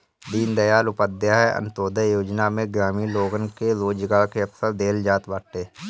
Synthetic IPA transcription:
d̪iːnd̪ɐjaːlʊpəd̪jaɦɛʔɐ̰nt̪oːd̪əjoːd͡ʒnamẽɡɾaːmiloːɡənkeɾoːd͡ʒɡaːɭkeɐfsəɾd̪eːld͡ʒaːt̪baːʈeː

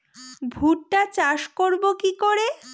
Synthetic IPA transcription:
bʱuʈːat͡ɕaʃkoɾbokikoɾe

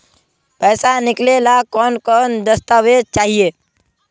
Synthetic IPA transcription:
pɛːsanɪklelakɔːnkɔːnd̪əst̪awed̪̚t͡ʃaːɦieː

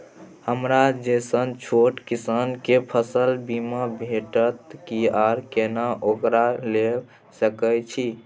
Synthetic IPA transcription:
həmɾad͡ʒesənt͡ʃʰoʈkisankepʰəsəlbimabʱeʈət̪kiaɾkenaʔokɾale | səkəjt͡ʃʰi

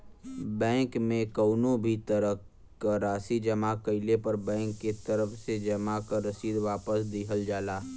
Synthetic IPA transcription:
bɛ̃ːŋkmẽkəʊnõbʱit̪əɾə | kəɾaːsid͡ʒɐmakəɪlepɐɾbɛ̃ːŋkːet̪ɐɾəfsed͡ʒɐmakaɾɐsiːd̪ʋaːpəsd̪iɦəld͡ʒaːlaː

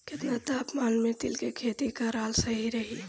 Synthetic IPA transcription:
kɪt̪nat̪aːpmaːlmẽt̪ɪlkekʰeːt̪ikaɾaːlsəɦiɾəɦi

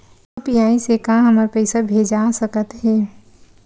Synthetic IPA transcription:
pijaːisekãɦəməɾpəɪsabʱed͡ʒasəkət̪ɦɛː

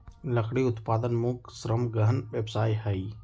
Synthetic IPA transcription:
ləkʰɽiʊt̪paːd̪ənmuːksɾəmɡəɦənʋeːbsaːiɦɛi

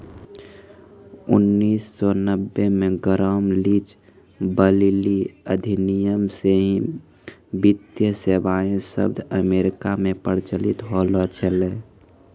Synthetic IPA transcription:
ʊ̰nːiːsːɔnəbːemẽɡəɾəmlit͡ʃ | bəliliəd̪ʱinijəmseɦĩ | bit̪jəsebaːẽsə̰bd̪ʱəmeɾɪkamẽpəɾt͡ʃəlɪt̪ɦolɔt͡ʃʰɛle

